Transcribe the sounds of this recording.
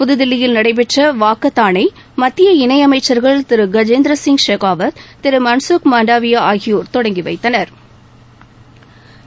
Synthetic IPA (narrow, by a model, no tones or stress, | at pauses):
pʊðɯðɪlːɪjɪlnɐɽɐɪp̬ɛʈrɐʋaːkːɐt̪ːaːnɐɪ | mɐt̪ːɪjɐɪnɐɪɐmɐɪt͡ʃːɐɾɣɐɭt̪ɪɾɯɡɐd͡ʒeːnd̪ɾɐsɪŋɡʂeːɣaːʋɐt̪t̪ɪɾɯmɐnsokmaːɳɖaːʋɪjɐaːɣɪjoːɾt̪ɔɽɐŋɡiʋɐ̰ɪt̪ːɐnɐɾ